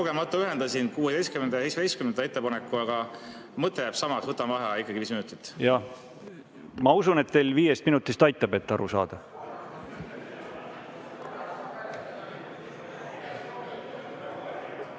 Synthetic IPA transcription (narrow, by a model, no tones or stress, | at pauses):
koɡ̥e̞mɑt̪ːˑuyɦe̞nd̪ɑsinkuːed̪ejskymend̪ɑjsejsɑd̪ejskymnend̪ɑe̞t̪ːepɑnekːˑuɑɡ̥ɑ | mɤt̪ˑːejæb̥sɑmɑksvɤt̪ːˑɑmvɑɦɑikˑːɑɡiviːsminut̪ːˑi̥t̪ːˑjɑ | mɑusune̞t̪ːejlviːjest̪minut̪ːˑist̪ɑjt̪ːˑɑbe̞t̪ːɑ̰ɾusɑ̰ːd̪̥ɑ